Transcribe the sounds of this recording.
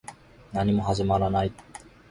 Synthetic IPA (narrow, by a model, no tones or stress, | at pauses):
nanimoɦazemalanajt̪̚